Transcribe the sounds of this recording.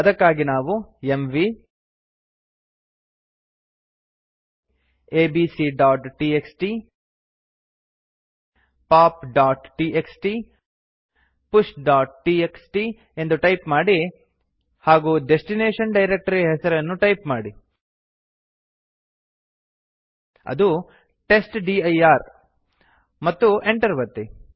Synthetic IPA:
ɐd̪ɐkːaːɡinaːʋuemʋi | eːbiːsiɖaːʈʈiːeksʈi | paːpɖaːʈʈiːʔeksʈi | puʂʈɖaːʈ̚ʈiːeksʈi | e̞nd̪uʈɐjpmaːɽi | haːɡuːɖesʈineːʂɐnɖɐjɾek̚ʈɐɾiɦɛsɐɾɐnːuʈɐjpmaːɽi | ɐ̰d̪u | ʈe̞sʈɖiɐjaːɾ | mɐt̪ːueɳʈɐɾʋɐt̪ːi

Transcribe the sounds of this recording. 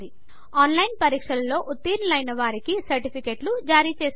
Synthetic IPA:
d̪i | aːnlɐjnpɐɾiːkʂɐlɐlo̞ːʔut̪ːiːnlɐjnɐʋaːɾikisɐɾʈipʰikeːʈlud͡ʒaːɾiːt͡ʃeːs

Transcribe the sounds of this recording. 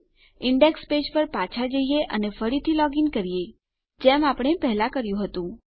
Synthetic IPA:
ɪɳɖekspeʃpəɾpat͡ʃʰad͡ʒəijeʔənefəɽit̪ʰilɔɡinkəɾije | d͡ʒɛmapɳ̃epɛɦlakəɾjũɦət̪ũ

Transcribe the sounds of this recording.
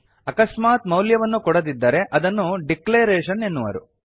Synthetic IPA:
ɐkɐsmaːt̪mɐwljɐʋɐnːukɔɽɐd̪id̪ːɐɾe̞ʔɐd̪ɐnːuɖikleːɾeːʃɐne̞nːuʋɐ̰ɾu

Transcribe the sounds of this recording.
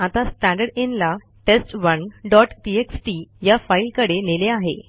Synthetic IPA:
at̪asʈæ̃ɳɖəɽenla | ʈesʈʋənɖɔʈʈieksʈijafailkəɽeneleaɦḛ

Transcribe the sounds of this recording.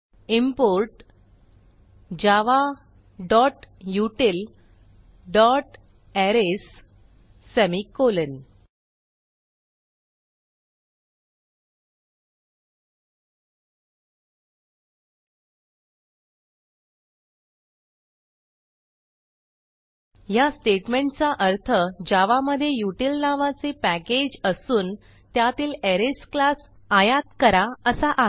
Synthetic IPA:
impoɾʈ | d͡ʑaʋa | ɖɔʈjuʈel | ɖɔʈ | ɛɾes | sɛmikolən | jasʈeʈmeɳʈt͡saʔəɾt̪ʰəd͡ʑaʋaməd̪ʱːjejuʈilnaʋat͡sepæked͡ʑəsuːn | t̪jat̪iːleɾesklas | ajat̪kəɾaəsaʔa

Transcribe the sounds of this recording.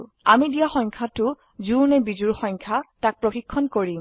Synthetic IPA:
amidijaxɔŋkʰatʊ | zuɹnɛbizuɹxɔŋkʰatak̚pɹɔxikʰːɔnkoɹim

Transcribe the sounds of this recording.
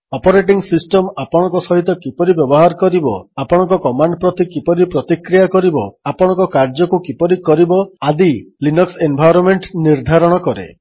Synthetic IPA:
ɔpɔɾeʈiŋsisʈɔmapɔɽ̃ɔ̃ŋkɔsɔɦit̪ɔkipɔɾibjɔbɔɦaɾkɔɾibɔapɔɽ̃ɔ̃ŋkɔkɔmaɳɖpɾɔt̪ikipɔɾipɾɔt̪ikɾijakɔɾibɔapɔɽ̃ɔ̃ŋkɔkaɾd͡ʒɔkukipɔɾikɔɾibɔad̪ilinɔksembʱajɾɔnmeɳʈniɾd̪ʱaɾɔɽ̃ɔkɔɾḛ

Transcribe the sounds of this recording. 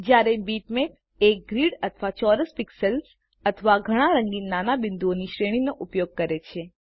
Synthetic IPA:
d͡ʒjaɾebiʈmep | ek̚ɡɾiɽət̪ʰəʋat͡ʃɔɾəspiksəls | ət̪ʰəʋaɡʱəɽ̃aɾəŋɡinːanabɪnd̪uoniʃɾeɽ̃inoʔupjoɡ̚kəɾet͡ʃʰe

